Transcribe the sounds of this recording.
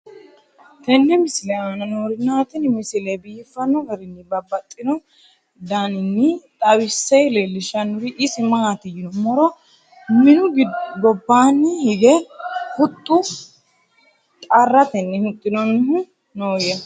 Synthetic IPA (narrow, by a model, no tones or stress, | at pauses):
t̪ɛnːɛmɪsɪlɛaːnɐnoːɾɪnːaːt̪ɪnmɪsɪlɛbiːfːɐnːɔɡɛɾɪnːɪbɐbːɐt̪ʼːɪnɔ | d̪aːnɪnːɪt̪ʼɐwɪsːɛjleːlːɪʃɐnːʊɾɪʔɪsɪmɐat̪ɪjɪnɔmɔɾɔ | mɪnʊɡɔbːaːnːɪhɪɡɛhʊt̪ʼːʊ | t̪ʼɐrːɐt̪ɛnːɛhʊt̪ʼːɪnɔnːɪɦʊ | noːɾɪjɐ